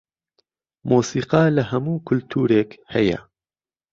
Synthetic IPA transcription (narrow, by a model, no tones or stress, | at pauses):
moːsiːqɑːlɐhɐmuːkʰʊlt̪ʰuːɾeːkhɐjɐ̰